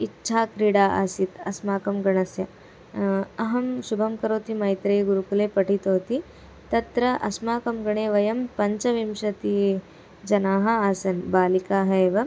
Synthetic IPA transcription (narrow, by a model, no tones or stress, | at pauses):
itːʃʰaːkɾiɽaːʔɐsit̪ɐsmaːkɐmɡɐɳɐsjɐ | ɐɦɐmʃubʱɐmkɐɾoːt̪imɐjt̪ɾeːɡuɾukuleːpɐʈit̪oːt̪i | t̪ɐt̪ɾɐʔɐsmaːkɐmɡɐɳeːʋɐjɐmpɐɲt͡ʃɐʋimʂɐt̪i | d͡ʒɐnaːɦɐasɐnbaːlikaːɦɐːʋɐ